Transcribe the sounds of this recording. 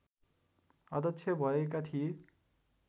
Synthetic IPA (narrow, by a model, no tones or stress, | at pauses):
ʌd̪ʌt͡sʰjʌbʱʌekat̪ʰie